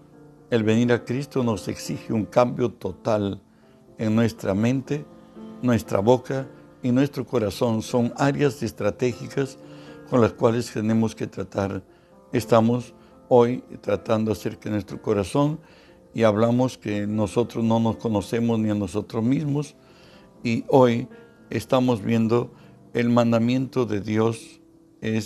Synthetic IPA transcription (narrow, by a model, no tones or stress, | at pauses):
e̞lβe̞niɾakɾist̪o̞no̞se̞ksixeuŋkambjo̞t̪ot̪al | eŋnwe̞st̪ɾa̰mẽ̞nt̪e | nwe̞st̪ɾa̰βoka | inwe̞st̪ɾoko̞ɾaso̞nso̞ŋaɾjase̞st̪ɾat̪exikasko̞nlaskwalest̪ene̞moske̞t̪ɾat̪aɾ | est̪amos | o̞jt̪ɾat̪and̪oaseɾkenwe̞st̪ɾokoɾaso̞n | iaβlamoskeno̞so̞t̪ɾozno̞no̞sko̞no̞se̞mozniano̞so̞t̪ɾozmizmos | iʔoj | ḛst̪amozβje̞nd̪o̞ | elmãnd̪amjẽ̞nt̪o̞ðeðjo̞s | es